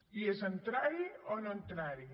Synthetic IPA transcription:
iesɐnt̪ɾaːɾionont̪ɾaːɾi

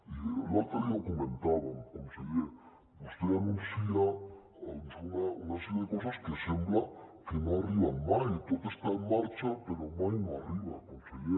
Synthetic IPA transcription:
ilat̪aɾiakomẽnt̪aβamkomseje | ust̪eanũnsia | sunaunasiaðekos̬askesemblakenõariβamajt̪ot̪est̪aenmaɾt͡ʃapeɾomãjnõariβa̰komseje

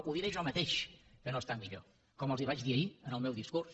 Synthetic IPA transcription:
uðiɾeʒɔmət̪eʃkənoest̪amːiʎo̰ | kɔməlˠziβad͡ʒðiəiənəlˠmɛwðiskurs

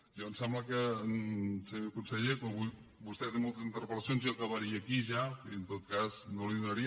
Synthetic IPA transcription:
ʒɔnsɛmbləkənsemewkunsəʎekwãmβu | bust̪ɛt̪emolˠt̪əzint̪əɾpələsjonzɔkəβəɾiəːkiʒaiənt̪ot̪̚kaznoliðunəɾi

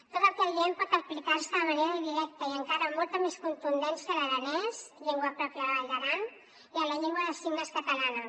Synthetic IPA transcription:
t̪ot̪əkɛlʎempɔt̪əplikaɾsəməneɾəðiɾɛk̚t̪əiəŋkaɾəmɔlˠt̪əmeskunt̪und̪ɛnsələðənɛzʎeŋɡwəpɾɔpjəðβalðəɾan | iənləʎeŋɡwəðəsiɣnəskət̪əlanə

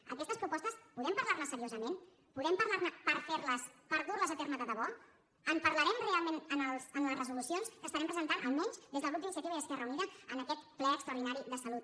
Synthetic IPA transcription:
ə̰kɛst̪əspɾupɔst̪əspuðɛmpəɾlaɾnəsːəɾiozəmen | puðɛmpəɾlarnəpəɾfeɾləspəɾðurləzət̪ɛrməkəðəβɔ | əmpəɾləɾɛmrealˠmenənəlˠzənləzrəzulusijonskəsfəɾɛmpɾəzənt̪anʔə̰lˠmɛɲzd̪ezðəlɣut̪inisiət̪iβəiðəskɛrəuniðəənəkɛt̪plɛəkst̪ɾəwɾðinaɾiðəsəlut̪̚

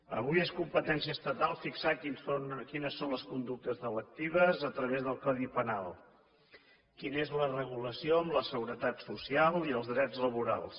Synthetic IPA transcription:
ə̰β̞ujeskumpət̪ɛnsiəst̪ət̪alˠfiksakinsonkinəsːonləskund̪uk̚t̪əzðələk̚t̪iβ̞əzət̪ɾəβ̞ezðəlˠkɔðipənalˠ | kinəezlərəɣ̞uləsijoəmləsəɣuɾət̪at̪susialˠiəlˠzðɾɛd͡zləβuɾa̰lˠs

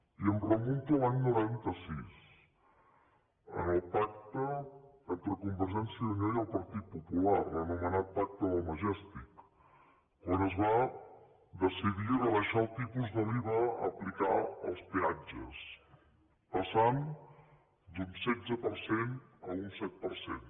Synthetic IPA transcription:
iəmrəmunt̪əlaɲnuɾant̪əsis | ə̰nəlˠpak̚t̪ə | ənt̪ɾəkumbəɾʒɛnsiəðuɲɛjəlˠpəɾt̪it̪̚pupulaɾənumənat̪̚pak̚t̪əðəlˠməʒɛst̪ikː | ɔnəzβa | d̪əsiðirələʃalˠt̪ipuzðəliβəəplikaə̰lˠspiad͡ʒə̰s | pəsan | d̪unsɛd͡zəpəɾsenəunsɛt̪̚pəɾsḛn

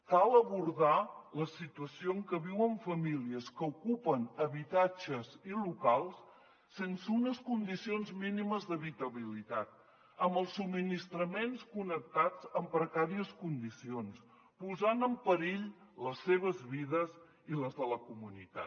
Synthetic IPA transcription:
kalˠəβuɾðaləsit̪uəsioŋkəβiwəɱfəmiliəskəukupənəβit̪ad͡ʒəzilukalˠsː | ensəunəskund̪isionzminiməzðəβit̪əβilit̪at̪̚ | əmbəlˠsːubminist̪ɾəmenskunək̚t̪ad͡zəmpɾəkaɾiəskund̪isions | puzanəmpəɾiʎləsːeβ̞əzβiðəz | iləzðələkumunit̪a̰t̪

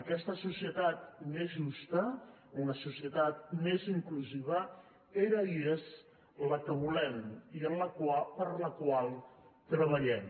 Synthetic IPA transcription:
əkɛst̪əsusiət̪at̪̚mezʒust̪əunəsusiət̪at̪̚meziŋkluziβ̞ə | eɾəiez | ləkəβulɛmiənləkwapəɾləkwalˠt̪ɾəβ̞əʎɛm

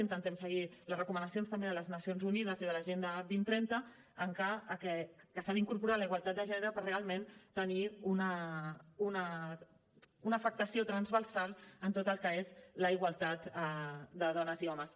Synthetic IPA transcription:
int̪ənt̪ɛmsəɣ̞iləzrəkumənəsionst̪əmbeðələznəsijonzunið̞əziðələʒend̪əbint̪ɾɛnt̪əː | ŋkaːkɛkəsaðiŋkuɾpuɾaləiɣwalˠt̪at̪̚d̪əʒɛnəɾəpərrealˠment̪əniunə | unə | unəːfək̚t̪əsiot̪ɾənzβərsalˠənt̪ot̪əlˠkəezləiɣwalˠt̪at̪əd̪əðɔnəziɔməs

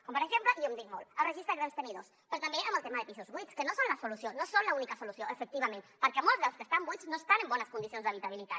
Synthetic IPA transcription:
kompaɾeʒempləʔiomd̪ik̚molərəʒist̪ɾaɣɾenst̪əniðospɾot̪ambeaməlˠt̪emaðəpisuzβuit͡sskənosonlasolusjonosonlaunikasolusjoʔefək̚t̪iβ̞amẽnpəɾkeamolˠzðawskəst̪ambujt͡snoest̪anembɔnəskunisionzðəβit̪aβilit̪a

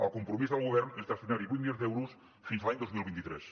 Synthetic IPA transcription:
ə̰lˠkumpɾumizðəlˠɣoβ̞ɛɾnezd̪əst̪inaɾiβuit̪milʎonzðɛwɾus | finsalaɲd̪ozmilˠβint̪it̪ɾɛ̰s

